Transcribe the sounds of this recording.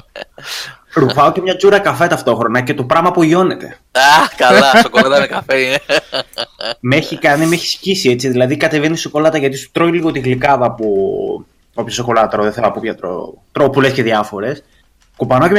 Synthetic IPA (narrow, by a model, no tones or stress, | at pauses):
ɾufɐoce̞mɲɐt͡suɾɐkɐfe̞t̪ɐft̪o̞xɾo̞nɐce̞t̪o̞pɾɐmɐpuʝo̞ne̞t̪e̞̰ | ɐkɐlɐst̪okolɐt̪ɐinekɐfeine | meçikɐnimeçi̥scisie̞t͡siðilɐðikɐt̪evenist̪oko̞lɐt̪ɐʝɐt̪isu̥t̪ɾo̞iliɣo̞t̪iɣlikɐðɐpu | o̞pçosoko̞lɐt̪ɾoðeθelɐpupçɐt̪ɾo̰t̪ɾopule̞sceðiɐfo̞ɾe̞s | kupɐnoce